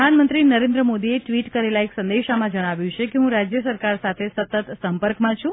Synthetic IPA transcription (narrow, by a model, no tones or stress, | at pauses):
d̪ʱanmənt̪ɾinəɾẽnd̪ɾəmod̪ieʈʋiʈkəɾelaeksənd̪eʃamãd͡ʒəɽ̃aʋjũt͡ʃʰekeɦũɾad͡ʒjəsəɾkaɾsat̪ʰesət̪ət̪səmpəɾkmãt͡ʃʰũ